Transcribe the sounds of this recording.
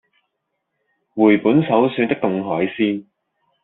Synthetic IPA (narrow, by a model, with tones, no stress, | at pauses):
wuː˨˩jpuː˨˥nsɐ˨˥wsyː˨˧nt̪ɪ˥k̚t̪ʊ˨˧ŋɦɔː˨˥jsiː˥n